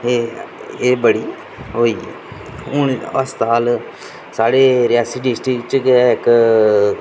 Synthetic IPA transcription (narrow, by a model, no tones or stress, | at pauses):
eːeːbəɽiː | ɦoːiːɛ̰ː | ʊɳəst̪aːl | saːɽeːɾɪjaːsiːɖɪsʈɾɪkt͡ʃkɛɪk